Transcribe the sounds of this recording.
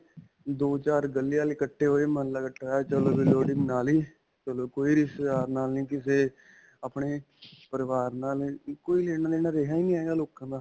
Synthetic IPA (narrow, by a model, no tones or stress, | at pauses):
d̪oːt͡ʃaːɾɡəlːɪjãːliːkəʈʰːeːɦoːeːməɦəlːaːkəʈʰːaːt͡ʃəloːʋiloːɖɪŋɡnaːliː | t͡ʃəloːkoːiːɾɪsd̪aːɾnaːlnĩːkɪseː | əpɳeː | pəɾəʋaːɾnaːlkoːiːleːɽ̃aːleːnaːɾeːɦaːiːnĩːaːeɡaːloːkãːd̪aː